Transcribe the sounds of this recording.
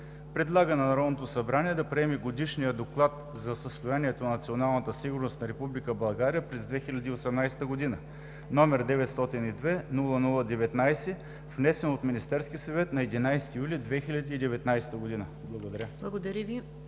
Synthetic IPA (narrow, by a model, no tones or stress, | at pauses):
pɾɛd̪lˠaɡənɐnɐɾɔd̪not̪osɐbɾaniɛd̪ɐpɾiɛmiɡod̪iʃnijəd̪oklˠat̪ | zɐsəst̪ojaniɛt̪onɐnɐt̪sionalˠnət̪əsiɡʊɾnost̪nɐɾɛpublikəbɐlˠɡaɾijəpɾɛzd̪vɛxilʲɐd̪iːosɛmnajsɛ̥t̪əɡod̪inə | nɔmɛɾd̪ɛvɛt̪st̪ɔt̪inid̪vɛnulˠənulˠəd̪ɛvɛt̪najsɛ | vnɛsɛnot̪minist̪ɛɾskʲisɐvɛt̪nɐɛd̪inajsɛ̥t̪ijulʲid̪vɛxilʲɐd̪iːd̪ɛvɛt̪najsɛ̥t̪əɡod̪inə | blˠɐɡod̪ɐɾʲəblˠɐɡod̪ɐɾʲəvi